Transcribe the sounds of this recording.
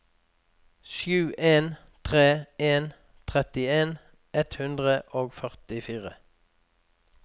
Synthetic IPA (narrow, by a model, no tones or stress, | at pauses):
ʃjʉːʔeːn | t̪ʰʁeːʔeːn | t̪ʰʁɛt̪ɪeːn | ʔɛt̪hʉnd̪ʁəʔoːɡfœʁt̪ɪfiːʁə̰